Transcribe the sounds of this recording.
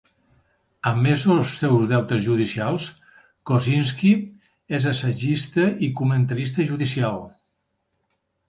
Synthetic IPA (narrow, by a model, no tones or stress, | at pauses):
əmːezolsːɛwzðɛwt̪əzʒuð̞isialˠs | kozins̬ki | ezəsəʒist̪əʔikumənt̪əɾis̬t̪əʒuðisialˠ